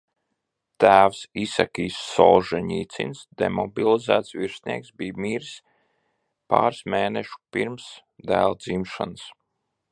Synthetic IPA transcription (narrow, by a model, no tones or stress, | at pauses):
t̪æːwsisakʲiːsːɔ̰ːʒɛɲḭːt̪sḭnsd̪emɔbilˠizæːt̪sviɾsʲnʲiɛksbijmiːɾs | pa̰ːɾsmeːnɛʃu̥piɾms | d̪æːlˠd̪zimʃans